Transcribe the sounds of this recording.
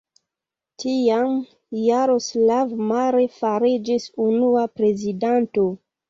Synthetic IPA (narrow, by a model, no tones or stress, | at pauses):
tiam | jaɾo̞slavmaɾefaɾid͡ʒisunuapɾe̞zidanto̞